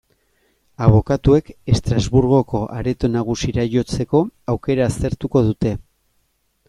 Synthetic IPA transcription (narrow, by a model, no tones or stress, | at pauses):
aβ̞o̞kat̪ue̞ke̞st̪ɾazβuɾɣ̞o̞ko̞ʔaɾe̞t̪o̞naɣ̞usiɾajo̞t͡se̞ko̞awke̞ɾaːst̪e̞ɾt̪uko̞ðut̪e̞